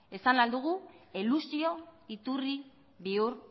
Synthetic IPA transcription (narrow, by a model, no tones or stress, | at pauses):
e̞sanlald̪uɣ̞uelusio̞it̪uri | βiuɾ